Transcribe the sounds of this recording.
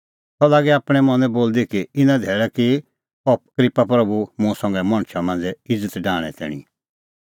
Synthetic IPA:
t̪ɔlaːɡɛaːpɽ̃ɛmɔ̃nɛboːld̪ikiɪnãd̪ʱeːɭɛki | ɔp̚kɾɪpapɾɐbumʊ̃sɔ̃ŋɡɛmɐ̃ɽ̃ʃamãːnd͡zɛɪd͡zət̪ɖaːɽ̃ɛ̰t̪ɛ̰ːɽ̃ḭ

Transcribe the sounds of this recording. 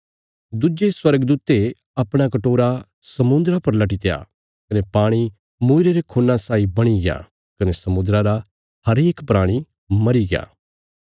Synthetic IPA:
d̪ʊd͡ʒeswɐɾəɡd̪uːt̪e | ɐpɽ̃akɐʈoːɾa | sɐmʊ̃nd̪ɾapɐɾlɐʈit̪eja̰ | kɐnepaːɽ̃i | muːɪɾeɾekʰoːnːasaːibɐɽ̃iɡɪja̰ | kɐnesɐmʊ̃nd̪ɾaɾa | hɐɾeːkpɾaːɽ̃i | mɐɾiɡɪja̰ː

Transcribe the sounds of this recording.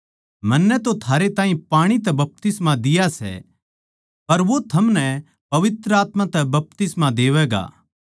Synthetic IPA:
mɐnːɛt̪ot̪ʰaːɾet̪ãːɦĩpaːɽ̃it̪̬ɛbɐp̚t̪ɪsmãd̪ɪjasɛ̰ | pɐɾʋot̪ʰɐmnɛ | pɐʋɪt̪ɾəaːt̪mãt̪ɛbɐp̚t̪ɪsmad̪eːʋɛːɡa̰ː

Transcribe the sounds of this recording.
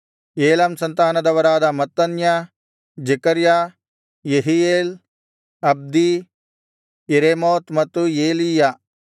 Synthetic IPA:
eːlɐmsɐnt̪aːnɐd̪ɐʋɐɾaːd̪ɐmɐt̪ːɐnja | d͡ʒekɐɾja | jeɦieːl | ɐb̚d̪i | eɾemoːt̪mɐt̪ːueːlija

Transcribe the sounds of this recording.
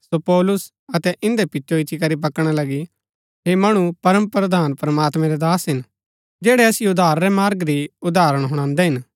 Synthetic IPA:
sopɔːlʊs | ɐt̪ɛʔɪ̃nd̪ɛpɪtːʃoɪt̪ʰːikɐɾip̬ɐkɽ̃alɐɡi | ɦemɐɽ̃upɐɾəmpɾɐd̪aːnpɾɐmaːt̪mɛ̃ɾɛd̪aːsɦɪn | d͡ʒɛːɽɛɐsɪjʊd̪aːɾɾɛmaːɾɡɾiʊd̪aːɾəɽ̃ɦʊɽ̃ãːnd̪ɛɦɪn

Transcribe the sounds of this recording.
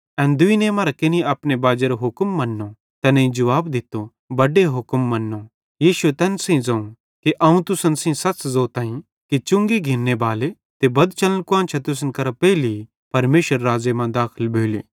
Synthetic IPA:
ɛ̃ːnd̪ʊinemaːɾakɪniɐpnebaːd͡ʒeɾoɦʊkmːɐnːo | t̪ɛnɐ̃ĩd͡ʒɐʋaːbd̪ɪt̪o | bɐɖeɦʊkmːɐnːo | jiːʃʊet̪ɛːnsĩd͡zɐ̃ũ | keʔɐũt̪ʊsənsĩsɐt͡ʃzoːt̪ãːĩ | kit͡ʃʊ̃ŋɡiɡʱɪnːebaːle | t̪ebɐd̪t͡ʃɐlənkʊãːnt͡ʃʰat̪ʊs̬ənkɐɾapɛːli | pɐɾmeːʃəɾːaːd͡ʒemãd̪aːkʰɪlbʱeːlḭː

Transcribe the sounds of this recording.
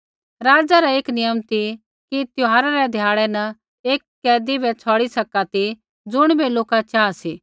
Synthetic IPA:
ɾaːd͡ʒaɾaeːknɪjəmt̪i | kit̪joɦaːɾaɾɛd̪ʱjaːɭɛnɐ | eːkːɛːd̪ibɛt͡sʰɔːɽisɐkat̪i | d͡zʊɽ̃beloːkat͡ʃaːsiː

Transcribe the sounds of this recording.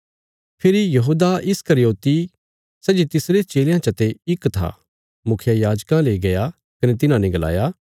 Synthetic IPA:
pʰɪɾijɐɦuːd̪aɪskɐɾjoːt̪i | sɛːd͡ʒit̪ɪsɾet͡ʃeːljãt͡ʃɐt̪eɪkt̪ʰa̰ː | mʊkʰjajaːd͡ʒkãleɡɐja | kɐnet̪̬ɪnãnẽɡɐla̰ːjaː

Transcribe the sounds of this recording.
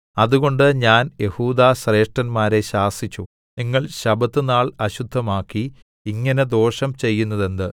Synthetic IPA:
ɐðuɣo̞ɳɖɨɲaːnje̞huːd̪aːɕre̞ːʂʈɐnmaːɾe̞ɕaːsit͡ɕːu | niŋːɐɭɕɐbɐt̪ːɨnaːɭɐɕud̪ʱːɐmaːkːi | iŋːɐne̞d̪o̞ːʂɐmt͡ɕe̞jːunːɐðe̞nd̪ɨ

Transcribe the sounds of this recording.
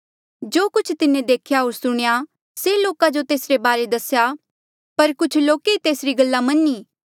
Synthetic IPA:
d͡ʒoːkʊt͡ʃʰt̪ɪnẽd̪eːkʰjaɦoːɾsʊɽ̃ja | seloːkad͡ʒot̪eːsɾebaːɾed̪ɐsja | pɐɾkʊt͡ʃʰloːkeit̪eːsɾiɡɐlːamɐnːiː

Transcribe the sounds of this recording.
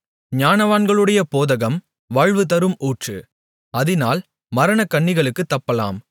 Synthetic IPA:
ɲaːnɐʋaːnɡɐɭɯɽɐjɐpoːðɐɣɐm | ʋaːɻʋɯt̪ɐɾɯmʔuːʈrɯ̰ | ɐðɪnaːl | mɐɾɐɳɐkːɐɳːɪɣɐɭɯkːɯt̪ːɐpːɐla̰ːm

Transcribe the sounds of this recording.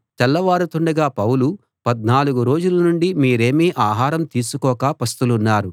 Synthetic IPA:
t͡ʃɛlːɐʋaːɾut̪uɳɖɐɡaːpɐwlu | pɐd̪̚naːluɡuɾo̞ːd͡ʒulɐnuɳɖimiːɾe̞ːmiːʔaːɦaːɾɐmt̪iːsukɔːkaːpɐst̪ulunːaːɾu

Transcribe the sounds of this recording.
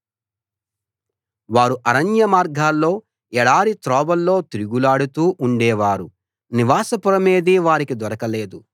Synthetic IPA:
ʋaːɾuʔɐɾɐɲjɐmaːɾɡʱaːlːo̞ː | ɛɽaːɾit̪ɾɔːbɐlːo̞ːt̪iɾuɡulaːɽut̪uːʔuɳɖɛːʋaːɾu | niʋaːsɐpuɾɐme̞ːd̪iːʋaːɾikid̪ʋɐɾɐkɐleːd̪u

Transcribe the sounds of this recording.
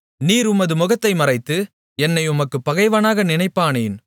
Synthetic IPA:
niːɾʊmɐðɯmʊɣɐt̪ːɐɪmɐrɐɪt̪ːɯ | ɛnːɐɪʊmɐkːɯpːɐɣɐɪʋɐnaːɣɐnɪnɐɪpːaːneːn

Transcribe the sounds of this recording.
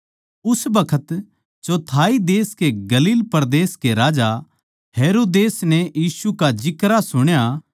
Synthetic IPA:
ʊsbɐkʰət̪ | t͡ʃot̪ʰaːid̪eːskeɡɐliːlpɐɾd̪eːskeɾaːd͡ʒa | ɦeːɾoːd̪eːsnɛjiːsukad͡ʒɪkɾasʊɽ̃ja

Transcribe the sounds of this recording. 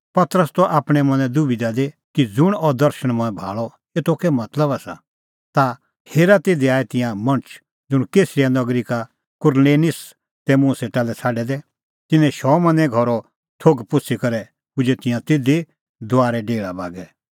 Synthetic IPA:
pɐt̪əɾəst̪ɔʔaːpɽ̃ɛmɐ̃nɛ̃d̪ʊbid̪ad̪e | kid͡zʊɽ̃ɔd̪ɐɾʃəɽ̃mɔ̃ːɛ̃bʱa̰ːɭɔ | eːt̪okɛmɐt̪ləbasa̰ | t̪a | heːɾat̪eːd̪iaːɛt̪ɪ̃jãmɐ̃ɳt͡ʃʰ | d͡zʊɽ̃keːsɾijanɐɡɾika | kʊɾleːnɪs | t̪ɛmũːseʈalɛt͡sʰaːɖɛd̪ɛ | t̪ɪnɛ̃ʃɔːmɐ̃nɛ̃ɡʱɔɾɔ | tʰoːɡpʊt͡sʰikɐɾɛ | ʊd͡ʒɛt̪ɪ̃jãt̪eːd̪e | d̪ʊaːɾɛɖeːɭaba̰ːɡɛ

